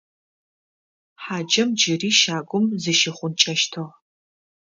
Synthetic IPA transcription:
ħaːd͡ʒɐmd͡ʒɪriːʃaːɡʷʊmzɨʃɪχʷʊnt͡ʃʼɐʃtʰɐʁ

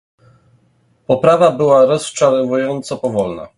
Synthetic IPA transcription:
pɔpɾavabɘwaɾɔst͡ʂaɾɔvujɔnt̪sɔpɔvɔlna̰

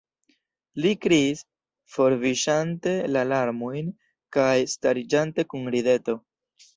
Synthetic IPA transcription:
likɾiis | fo̞ɾviʃante̞lalaɾmojn | kajstaɾid͡ʒante̞kunɾide̞to̞

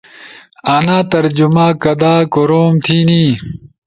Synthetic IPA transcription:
aːnãːt̪ɐɾd͡ʑumaːkɐd̪aːkoɾoːmt̪ʰiːniː

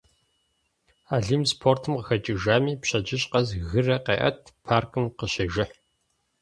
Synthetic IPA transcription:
aːɮimspʰoːrtʰɨmqəxɐt͡ʃʼɪʒaːmiːpɕɐd͡ʒɪɕʼqɐzɣɨrɐqeːʔɐ̰tʰpʰaːrkʰɨmqəɕɐʒɪħ

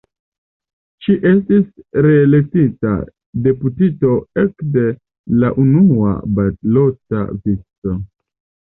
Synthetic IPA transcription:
ʃiʔe̞stisɾeːle̞k̚tita̰ | de̞putito̞e̞kde̞ | laʔunua̰batlota̰vit͡so

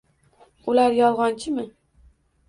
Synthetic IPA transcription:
ʊlaɾjɒlˠʁɒnt͡ʃʰɪmɪ

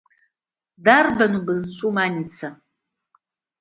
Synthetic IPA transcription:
daːrbɐnubɨzɨt͡ʃʷʼumaːnit͡sʰɐ

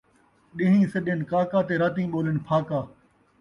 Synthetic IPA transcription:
ɗɪɦĩːsəɗenkaːkaːt̪eːɾaːt̪ĩːɓoːlɪnpʰaːkaː

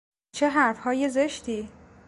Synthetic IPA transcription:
t͡ʃʰe̞ɦæɾfhɒːje̞ze̞ʃt̪iː

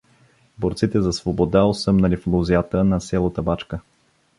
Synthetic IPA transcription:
boɾt̪sit̪ɛzɐsvobod̪aosɤmnɐliflˠuzijat̪ənɐsʲɛlˠət̪əbat͡ʃkə

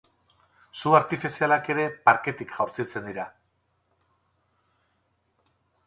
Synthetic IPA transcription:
suaɾt̪ifisialake̞ɾe̞paɾke̞t̪ikʝawɾt͡sit͡se̞nd̪iɾa

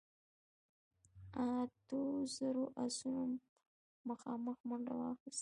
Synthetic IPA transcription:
at̪ozəɾoʔasumː | axɑməxmʊɳɖa̰wɑxist̪

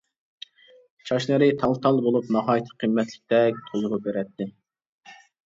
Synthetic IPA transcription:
t͡ʃʰɑʃnɨɾɪt̪ʰɑlˠt̪ʰɑlˠbolˠupnɑɦɑːjit̪ʰə̥qʰimːɛt̪ʰlɪ̥k̚ʲt̪ʰɛk̚ʲt̪ʰozʊʁʊbeɾɛt̪ʰːɪ

